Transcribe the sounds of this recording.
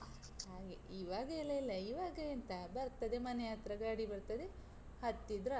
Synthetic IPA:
ɦaːɡḛiːʋaːɡɐilːɐilːɐiʋaːɡɐint̪ɐbɐɾt̪ɐd̪e̞mɐnejaːt̪ɾɐɡaɐɽibɐɾt̪ɐd̪e | hɐt̪ːid̪ɾɐ

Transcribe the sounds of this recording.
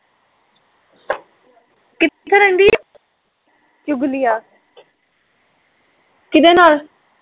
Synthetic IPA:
kɪt̪t̪ʰeːɾə̃nd̪iː | t͡ʃʊɡlijaː | kɪd̪eːnaːl

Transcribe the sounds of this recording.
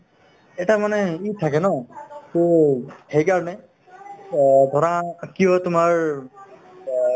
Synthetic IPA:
ɛtamanɛit̪ʰakɛnɔtohejkaɹɔnɛ | d̪ʱɔɹakijɔtʊmaɹ

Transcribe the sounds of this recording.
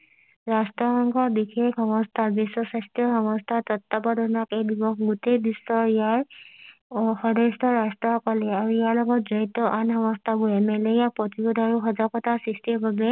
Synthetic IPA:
ɹastɹɔxɔŋkʰɔbixekʰɔmɔstʰaɹbisːɔsastijɔxɔmɔstʰat̪ɔtːabɔdɔnakebibɔkɡutejbisɔɹijaɹ | xɔdɔstʰɔɹastɹɔɔkɔlɛaɹuijaɹlɔɡɔt̚zɔɹit̪ɔʔanxɔmɔstʰabuɛmɛlejapɹɔtibodʱaɹuxɔzakɔtasɹistibʱabɛ

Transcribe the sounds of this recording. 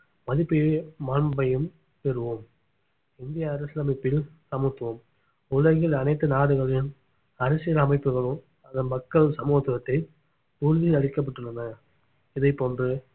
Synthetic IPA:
mɐðɪpːɪjemɐnbɐjɯm | pɛɾɯʋɯm | ɪnd̪ɪjaɐɾɐslamɪpːɪlsɐmɯt̪ːʋɯm | ʊɻɐɣɪlɐnɐɪt̪ːɯnaːɽɯɣɐɭɪn | ɐɾɐsɪjɐlɐmɐɪpːɯɣɐɭɯ | ɐðɐnmɐkːɐɭsɐmuːt̪ːɯɐt̪ːɐɪ | tuɻʋiɐɐɽɪkːɐp̬ːɐʈːɯɭːɐnɐ | ɪðɐɪpːoːndrɯ

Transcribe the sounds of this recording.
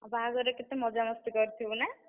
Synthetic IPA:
abaɡɔɾeket̪emɔd͡ʒamɔst̪ikɔɾt̪ʰibna

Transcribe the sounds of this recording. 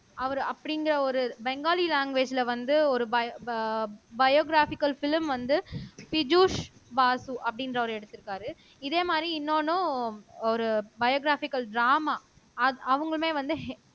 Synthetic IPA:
ɐʋɐɾɯɐpːɐɽɪnɡɪɾɐɔɾɯbɛŋɡaːlilaːŋɡʋeːd͡ʒɪlɐʋɐnd̪ɯɔɾɯbɐ | bɐjoːɡɾaːfɪkːɐlfɪlmʋɐnd̪ɯpɪd͡ʒuːʂbaːsuʔɐpːɐɽɪndɾɐʋɐɾɯɛɽɯt̪ːɯɾɯkːaːɾɯ | ɪðeːmaːd̪ɾiɪnːoːnʊ̃ɔɾɯbɐjoːɡɾaːfɪkːɐlɖɾaːmaː | ɐɐʋɐŋɡɐɭmeːʋɐnd̪ɯɦ

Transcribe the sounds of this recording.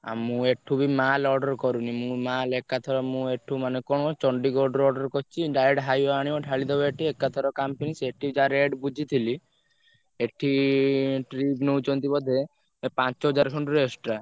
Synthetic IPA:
a̰mũeʈʰubimalɔɖɔɾkɔɾunimũmalekat̪ʰɔɾɔmũeʈʰumanekɔɽ̃ɔt͡ʃɔɳɖiɡɔɖɾɔɖɔɾkɔt͡ʃʰiɖajəɖɦajaɽ̃iɔʈʰaɭid̪ɔbɔeʈʰiekːat̪ʰɔɾɔkampeniseʈʰid͡ʒaɾeɖbud͡ʒʱit̪ʰili | eʈʰi | ʈɾibnɔut͡ʃɔnt̪ibɔd̪ʱe | epãt͡ʃɔɦɔd͡ʒaɾkʰɔɳɖuɾesʈɾa

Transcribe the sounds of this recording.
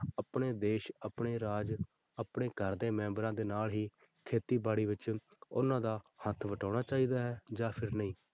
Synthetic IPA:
əpɳeːd̪eːʃəpɳeːɾaːd͡ʒ | əpɽeːkəɾd̪eːmɛ̃ːmbɾãːd̪eːnaːlɦiː | kʰeːt̪iːbaːɽiːʋɪt͡ʃʊ̰nãːd̪aːhət̪ʰʋəʈaːɽ̃aːt͡ʃaːiːd̪aːɦɛːd͡ʒaːpʰɪɾnəĩː

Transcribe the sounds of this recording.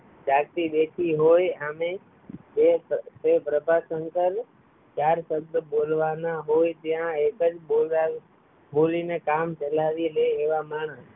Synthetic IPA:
d͡ʒakt̪iɗ̪ekʰiɦojamẽ | esepɾəbʱasəŋkəl | t͡ʃaɾsəbd̪bolʋanaɦojt̪jãekəd͡ʒbola | bolinekamt͡ʃəlaʋileeʋamaːɳ̃əs

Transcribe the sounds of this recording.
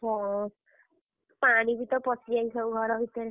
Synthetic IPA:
ɦɔ̃ | paɽ̃ibit̪ɔpɔsiaj̃sɔwɡʱɔɾɔbit̪ɔɾe

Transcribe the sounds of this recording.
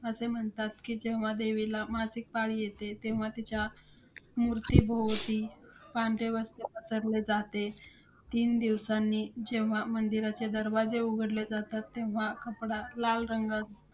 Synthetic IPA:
əsem̤əɳt̪at̪kiːd͡ʑeʋ̤ad̪eʋilamasik̚paɽiːjet̪et̪ẽʋ̤at̪it͡ɕja | muɾt̪ibʱowt̪ipãɳɖeʋəst̪epəsəɾled͡zat̪e | t̪iːnd̪iʋsanːiːd͡ʑeʋ̤amənd̪iɾat͡ɕed̪əɾʋad͡zeuɡʱəɽled͡zat̪at̪ːeʋ̤akəpɽalalɾəŋɡad͡z

